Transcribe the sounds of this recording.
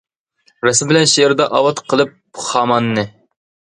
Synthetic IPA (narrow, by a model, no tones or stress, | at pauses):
ɾɛsmbɪlɛnʃeɾd̪ɑʔɑwɑt̪qʰəlˠɨp̚χɑːmɑnːɨ